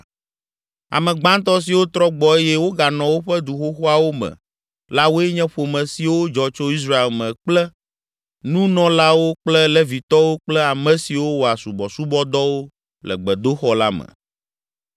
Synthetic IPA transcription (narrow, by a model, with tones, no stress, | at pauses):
a̰˨mɛ̃˨ɡ͡bã˦nt̪ɔ˦s̬i˨wo˦t̪ɾɔ˦ɡ͡bɔ˨e˦jɛ˦wo˦ɡa˨nɔ̃˨wo˦ɸɛ˦d̪u˨xo˦xo˦a˨wo˦mɛ̰̃˨ | la˦wo˦ɛ˦ɲɛ̃˦ɸo˨mɛ̃˨si˨wo˦d͡ʒɔ˨t͡ʃo˦i˦s̬ɾa˦e˨lmɛ̃˨k͡plɛ˦ | nũ˦nɔ̃˨la˦wo˦k͡plɛ˦lɛ˦vi˨t̪ɔ˦wo˦k͡plɛ˦a˨mɛ̃˨si˨wo˦wo˨a˨su˨bɔ˨su˦bɔ˦d̪ɔ˦wo˦ | lɛ̰˨ɡ͡bɛ˨d̪o˦xɔ˦la˦mɛ̰̃˨